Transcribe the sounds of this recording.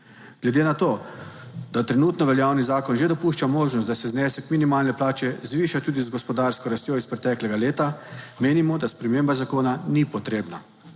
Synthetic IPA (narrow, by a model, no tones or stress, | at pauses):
ɡ̥lɛd̪eːnat̪oː | d̪̥at̪ɾɛnuːt̪nɔʋɛljaːwnizaːkɔnʒed̪ɔpuːʃt͡ʃamoːʒnɔst̪d̪asɛznɛsɛkminimaːlnɛplaːt͡ʃɛzʋiːʃat̪uːd̪izɡɔspɔd̪aɾskɔɾast̪joːispɾɛt̪ɛklɛɡaleːt̪ameːnimɔd̪aspɾɛmeːmbazakoːnanipɔt̪ɾeːbna